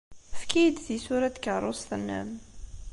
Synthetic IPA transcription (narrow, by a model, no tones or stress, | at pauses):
fkid̪θisuɾat̪kəɾˤosθənːæ̰m